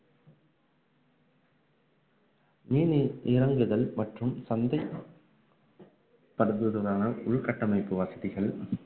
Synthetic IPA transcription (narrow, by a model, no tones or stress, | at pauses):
miːniʔɪɾɐŋɡɯðɐlmɐʈrɯmsɐnd̪ɐɪ | pːɐɾɯðɯðɯʋaːŋɐɭʊɭkɐʈːɐmɐɪpːɯʋɐsɐðɪɣɐɭ